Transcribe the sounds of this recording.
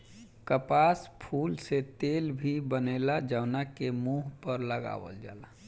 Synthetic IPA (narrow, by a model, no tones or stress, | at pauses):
kəpaspʰuːlset̪elbʱibənelad͡ʒaʊnakemuɦpəɾləɡa̰ʋə̰ld͡ʒa̰ːla